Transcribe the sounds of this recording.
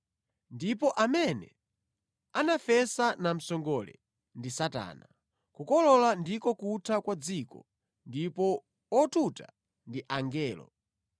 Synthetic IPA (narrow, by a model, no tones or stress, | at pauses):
ndipɔʔamɛnɛ | anafɛsanam̩sɔŋɡɔlɛ̰ | ndisata̰ːna | kukɔlɔlandikɔkutʰakwad͡zikɔ̰ | ndipɔ | ɔtutʰa̰ | ndiʔaŋɡɛːlɔ̰